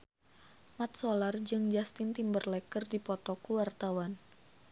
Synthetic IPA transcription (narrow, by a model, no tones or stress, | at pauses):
mat̪̚solard͡ʒɨŋd͡ʒast̪ɪnt̪imbərlɛkərdipɔt̪ɔkuwart̪awan